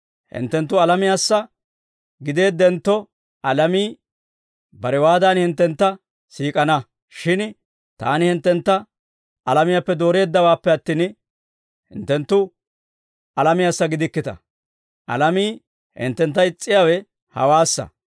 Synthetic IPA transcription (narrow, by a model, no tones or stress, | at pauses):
hɪ̰nt̪ːɛnt̪ːʊɐlɐmɪjaːsːɐ | ɡɪd̪e̞ːd̪ːɛnt̪ːɔ | ɐlɐmiː | bɐɾɛwaːd̪aːnhɪnt̪ːɛnt̪ːɐ | siːkʼɐnɐ | ʃɪn | t̪a̰ːnɪhɪnt̪ːɛnt̪ːɐ | ɐlɐmɪjapːɛd̪o̞ːɾe̞ːd̪ːɐwaːpːɛɐt̪ːiːn | hɪ̰nt̪ːɛnt̪ːʊ | ɐlɐmɪjaːsːɐɡɪd̪ɪkːɪt̪ɐ̰ | ʔɐ̰lɐmiː | hɪ̰nt̪ːɛnt̪ːɐɪt͡sʼːɪjawɛ | hɐ̰waːsːɐ̰